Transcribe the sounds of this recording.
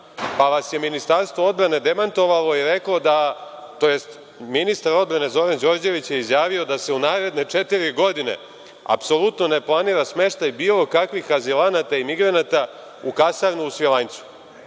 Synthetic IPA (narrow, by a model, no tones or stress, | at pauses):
paʋasje̞minist̪aɾst̪ʋo̞o̞d̪bɾane̞d̪e̞mant̪o̞ʋalˠo̞iɾe̞klod̪at̪o̞je̞st̪ | minist̪aɾo̞d̪̚bɾane̞zo̞ɾand͡ʑo̞ɾd͡ʑe̞ʋit͡ɕjeizjaːʋio̞d̪ase̞unaːɾe̞d̪ne̞t͡ʂe̞t̪iɾiɡo̞d̪ine̞̰ | a̰pso̞lˠut̪no̞ne̞plˠaniːɾasme̞ʃt̪ajbiːlˠo̞kakʋixazilanat̪aimiɡɾanat̪a | ukasaɾnuːsʋilant̪su̥